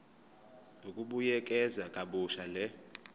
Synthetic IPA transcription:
nokʼuɓujɛkʼɛzakʼaɓuʃalɛ

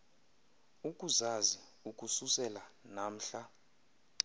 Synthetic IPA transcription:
ukʼuzazi | ukʼususɛlanam̩ɬa

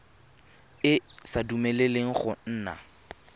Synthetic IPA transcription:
ɪsadumeleleŋ̩χʊn̩ːna̰

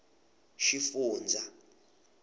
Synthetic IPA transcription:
ʃifuːnd͡zʱa

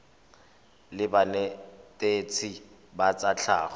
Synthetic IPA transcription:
lɪbanɛtʼet͡sʰi | bat͡sʼat͡ɬʰa̰ːχɔ

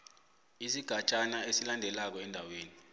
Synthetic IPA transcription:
isiɡ̥ʱat͡ʃʼanaesilandʱɛlak̬ɔɛndʱaweːni

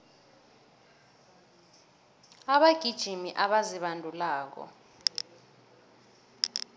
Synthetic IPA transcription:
aɓaɡ̥ʱid̥ʒ̥ʱimiʔaɓaziɓandʱulaːk̬ɔ̰

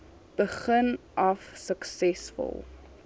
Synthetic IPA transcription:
b̥əχən | ʔɐfsəksɛsfə̰lˠ

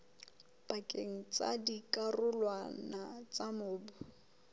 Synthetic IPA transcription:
b̥akʼeŋ̩t͡sa̰dikʼarʊlwanat͡samʊːbʊ

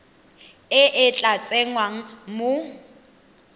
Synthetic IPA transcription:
ɪʔɪt͡ɬʼat͡sʼeŋwaŋ̩mʊ

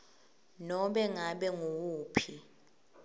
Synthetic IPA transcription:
nɔɓɛŋaɓɛŋowuːpʰi

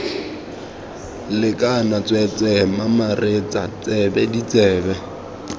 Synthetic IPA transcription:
lɪkʼanat͡sʼwɛt͡sʼɛmamaret͡sʼa̰t͡sʼɛbɛdit͡sʼɛːbɛ

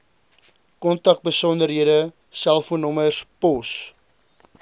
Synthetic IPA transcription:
kɔntɐk̚bəsɔndəɾɦiədə | sælˠfuənɔməspɔs

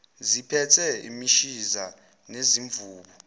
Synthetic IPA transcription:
zipʰɛtʰɛḭmiʃiza | neziɱvuːɓɔ

